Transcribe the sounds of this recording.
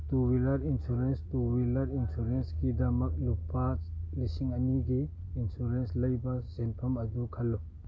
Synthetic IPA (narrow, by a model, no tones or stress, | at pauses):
tuwilɐɾinsuɾenstuwilɐɾinsuɾensɡidɐmɐk̚lupːalisiŋɐniɡiː | nsuɾenslɐjbasenpʰɐmɐdukʰɐlːɔ